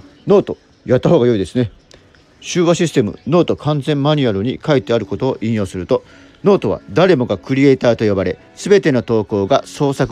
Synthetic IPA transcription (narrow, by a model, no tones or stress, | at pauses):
no̞ːt̪o̞ | jat̪ːaɦoːɡajo̞id̪e̞sɨne̞ | ɕɨːβaɕisɨ̥t̪emɯ̟̰no̞ːt̪o̞kʰãnd͡zẽ̞mmaɲ̟iaɾɯ̟ɲ̟ikait̪ːe̞aɾɯ̟ko̞t̪oːʔĩjo̞ːsɨɾɯt̪o̞ | no̞ːt̪o̞β̞a̰d̪aɾe̞mo̞ɡakɯ̟ɾʲie̞ːt̪aːt̪o̞jo̞baɾe̞ | sɨbe̞t̪e̞no̞t̪o̞ːko̞ːɡaso̞ːsak